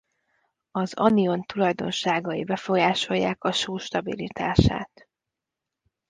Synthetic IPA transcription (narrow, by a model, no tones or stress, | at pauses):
ɒzɒ̰nio̞nt̪ulɒjd̪o̞̰nʃaːɡɒibɛfo̞jaːʃo̞jːa̰ːkɒʃoːʃt̪ɒbḭlit̪aːʃa̰ːt̪